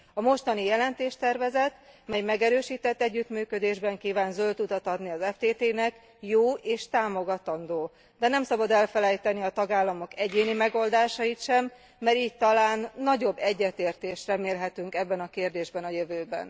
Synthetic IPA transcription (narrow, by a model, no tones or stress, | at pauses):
ɒmo̞ʃt̪ɒnijɛlɛnt̪eːʃt̪ɛrvɛzɛt̪mɛjmɛɡɛɾøːʃiːt̪ɛt̪ːɛɟːyt̪myːkød̪eːʒbɛŋkiːvaːnzølt̪ut̪ɒt̪ɒd̪niɒzɛft̪eːt̪eːnɛk | joːeːʃt̪aːmo̞ɡɒt̪ɒnd̪oː | d̪ɛnɛmsɒbɒd̪ɛlfɛlɛjt̪ɛniɒt̪ɒɡaːlːɒmo̞kɛɟeːnimɛɡo̞ld̪aːʃɒjit̪ʃɛmː | ɛɾiːc̚t̪ɒlaːnːɒɟo̞bːɛɟːɛt̪eːrt̪eːʃt̪rɛmeːlɦɛt̪yŋkɛbːɛnɒkeːrd̪eːʒbɛnɒjøvøːbɛ̰n